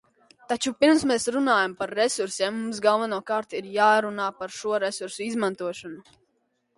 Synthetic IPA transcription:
t̪at͡ʃupiɾmsmesɾunaːjampaɾːesuɾsɛːmːums̬ɡalˠvanuɔkaːɾt̪iɾjaːɾunaːpaɾʃuɔɾesuɾsuizmãnt̪uɔʃɔnu

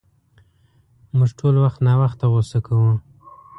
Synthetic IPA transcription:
mʊʐʈʰolwaxt̪nɑwaxt̪ːaɣosakʰawu

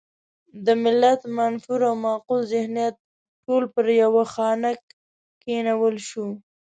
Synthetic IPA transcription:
d̪əmɪlːat̪manfuɾawmɑqulzɪhnijat̪̚ | ʈolpəɾjawaxɑnak | kenawəlʃu

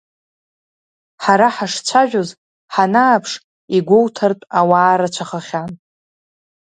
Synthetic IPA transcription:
ħaɾaħaʂt͡ɕʷʰaʒᶣoz | ħanaːpʰʂ | iɡʷowtʰartʼawaːɾat͡ʃʷʰaχaχʲan

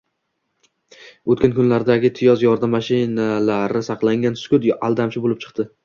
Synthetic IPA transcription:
ot̪kʲʰankʰʊnlaɾd̪aɡʲɪt̪ʰɪjɒzjɒɾd̪amːaʃɪnalaɾɪsɑqlˠaŋɡʲanskʲʊd̪alˠd̪amt͡ʃʰɪbolɪp̚t͡ʃʰɨ̥qt̪ɪ

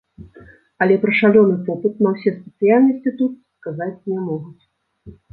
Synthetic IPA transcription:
ɐlʲɛpɾɐʂalʲɔnɨpɔpɨt̪̚nɐwsʲɛspʲɛt̪sɨjalʲnɐsʲt͡sʲit̪ut̪̚skazat͡sʲnʲɛmɔɣut͡sʲ

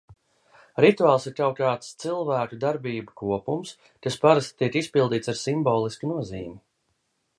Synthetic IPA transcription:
ɾit̪uaːlˠsiɾk̪awkaːt̪st̪silˠvæːkud̪aɾbiːbukuɔpums | kaspaɾast̪t̪iɛkispilˠd̪iːt̪saɾsimbɔːlˠiskinuɔziːmi

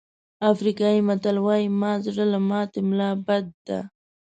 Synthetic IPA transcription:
afɾikɑjimat̪alwɑjimɑzɽalamɑt̪ɪmlɑbad̪ːa̰

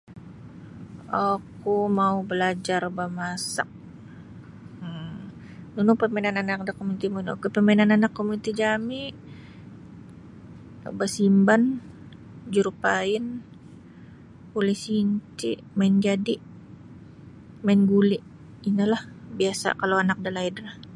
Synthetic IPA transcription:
akumaubəlad͡ʒarbamasa̰k̚ | nunupəmɛnananak̚dakːomunt̪imuno̰kupəmɛnananakːomuit̪id͡ʒami | basimban | d͡ʒuɾupaɪn | pulɪsiɲt͡ʃiʔmaɪnd͡ʒadiʔ | maɪnɡuliʔ | inalahbiasa̰kalowanak̚dalaidlah

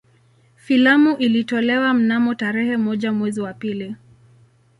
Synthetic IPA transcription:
filamuʔilitɔlɛwam̩namɔtaɾɛhɛmɔʄamwɛziwapili

